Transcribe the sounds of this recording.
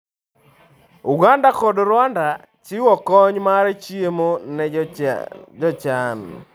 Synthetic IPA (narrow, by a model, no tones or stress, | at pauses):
uɡandakɔdɾwanda | t͡ʃiwɔkɔɲmaɾet͡ʃiemonɛ | d͡ʒɔt͡ʃan